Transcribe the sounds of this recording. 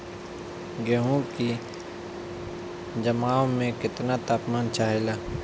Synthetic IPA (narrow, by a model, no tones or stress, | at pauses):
ɡɛɦõki | d͡ʒɐmaːõmẽkɪt̪nat̪aːpmaːnt͡ʃaːɦelaː